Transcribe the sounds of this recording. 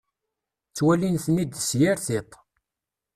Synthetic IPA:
t͡sːwælinθənid̪sjaɾθɪt̪ˤ

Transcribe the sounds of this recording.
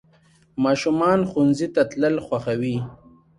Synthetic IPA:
mɑːʃumɑːnxunzit̪at̪ləlxwaxawi

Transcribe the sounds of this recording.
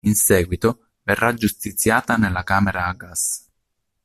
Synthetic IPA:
insɛːɡwit̪o | verːad͡ʒust̪it̪sːjaːt̪anelːakaːmeɾaːɡas

